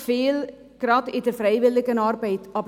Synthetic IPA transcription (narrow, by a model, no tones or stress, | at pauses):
feːl | krɐtytəfrɛjʋɪlˠəkənɑrbəjtʰɑp